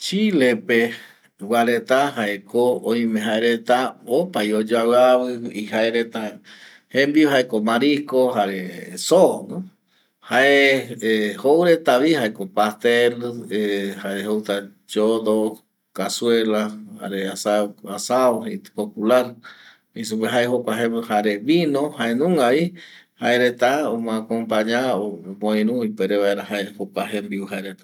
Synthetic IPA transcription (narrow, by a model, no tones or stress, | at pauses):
t͡ʃilepe | waɾet̪ahaʔekʰoõj̃mẽɦaeɾet̪aopajod͡ʒawaβɨihaeɾet̪a | hẽmbioɦaekomaɾikoɦaɾesono | haʔe | howɾet̪aβihaekopast̪elehaeɦowt̪a | d͡ʒoðo | kaswelaha̰ɾeasaasaoɦet̪populaɾ | is̬upeɦaehokaɦẽmhaɾeβinõhaenũŋaβihaeɾet̪aomakompaɲaomõĩɾũipeɾeβaeɾahaehokaɦembiuɦaeɾet̪a